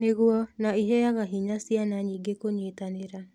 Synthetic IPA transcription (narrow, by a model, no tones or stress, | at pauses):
neɣuɔnaiɦejaɣaɦiɲasjanaɲiːɡekoɲeːtaneɾa